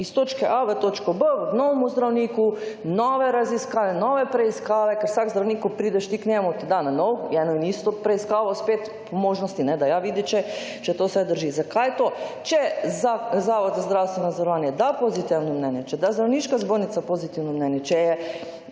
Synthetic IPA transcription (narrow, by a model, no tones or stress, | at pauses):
ist̪oːt͡ʃkɛʔaʋət̪ot͡ʃkobənoʋomuzd̪ɾawniːkunɔʋɛɾaziskaːʋɛnɔʋɛpɾɛiskaːʋɛkɛɾwsakzd̪ɾawniːkupɾiːd̪ɛʃt̪ikɲʲɛmut̪id̪ananɔwɡjɛnɔinist̪ɔpɾɛiskaːʋospeːt̪ | pʰɔmoːʒnɔst̪inɛd̪ajaʋiːd̪it͡ʃɛ | t͡ʃɛt̪oːsʋɛd̪əɾʒizakajt̪ot͡ʃɛzazaːʋɔd̪zazd̪ɾawst̪ʋɛnozoɾɔʋaːnjɛd̪apozit̪iwnɔmnɛnjɛt͡ʃɛd̪azd̪ɾawniʃkazboːɾnit̪sapozit̪iwnɔmnɛnjɛt͡ʃɛjɛ